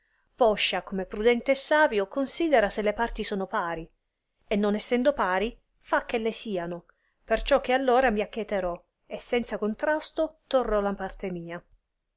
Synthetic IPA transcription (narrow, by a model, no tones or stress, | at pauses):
pɔʃːakomepːɾud̪ɛnt̪eːsːaːvjokonsiːd̪eɾaselːepart̪isɔːnopaːɾi | enːonɛsːɛnd̪opaːɾi | fak̟ːelːesiːano | pert͡ʃɔk̟ːealːoːɾamiakːet̪eɾɔ | esːɛnt̪sakont̪ɾast̪ot̪orːɔlapart̪emiːa